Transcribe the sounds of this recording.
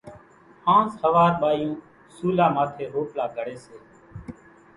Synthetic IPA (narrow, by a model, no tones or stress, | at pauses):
hãːshəʋaːɾɓaːjũː | suːlaːmaːt̪ʰeːɦoːplaːɡʱəɽeːseː